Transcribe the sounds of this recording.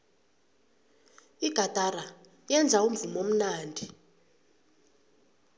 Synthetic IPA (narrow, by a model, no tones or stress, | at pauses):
iɡ̥ʱad̥ʼʱara | jɛnd͡zʱaum̩vumom̩naːndʱi